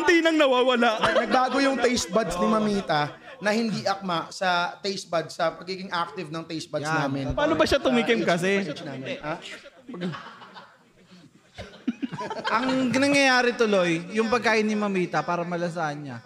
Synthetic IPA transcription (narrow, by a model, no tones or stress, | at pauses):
nt̪iːnɐŋnɐwaːwɐlaʔnɐɡ̚baːɡojʊŋt̪ɛjst̪̚bɐd̪snɪmɐmiːt̪ɐ | nɐhɪnd̪iːʔɐk̚maʔsɐt̪ɛjst̪̚bɐd̪sɐpɐɡiːɡɪŋʔak̚t̪ɪvnɐŋt̪ɛjst̪̚bɐsnaːmɪnpaːnobɐʃat̪ʊmiːkɪmkɐs̬ɛmapɐɡ | ʔɐŋnɐŋjɐjaːɾɪt̪ʊlojːʊŋpɐɡ̚kaːʔɪnːɪmɐmiːt̪ɐpaːɾɐmɐlɐs̬ɐʔɐnɲa̰